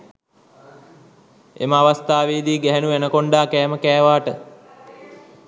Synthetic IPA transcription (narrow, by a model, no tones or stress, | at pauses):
ḛməaʋast̪aːʋeːd̪iːɡɛɦænuʋænəkoɳɖaːkɛːməkɛːʋaːʈə